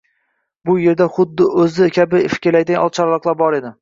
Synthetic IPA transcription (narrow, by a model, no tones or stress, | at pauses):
bʊje̞ɾd̪aχʊd̪ːɪɵzɪkʲʰabɪfɪ̥kʲɪɾlajt̪ajɒ̰lˠt͡ʃʰaɾlˠɑqlˠaɾbɒɾe̞d̪ɪ